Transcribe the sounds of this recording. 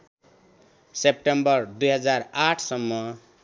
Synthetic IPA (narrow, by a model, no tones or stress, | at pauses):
sep̚ʈembʌɾd̪ujɦʌd͡zaɾaʈʰsʌmːʌ